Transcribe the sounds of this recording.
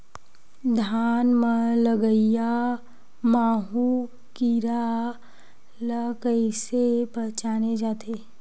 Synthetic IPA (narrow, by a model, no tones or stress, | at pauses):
d̪ʱaːnmələɡəɪja | maːɦu | kiɾa | ləkəisepəɦt͡ʃaːned͡ʒaːt̪ʰe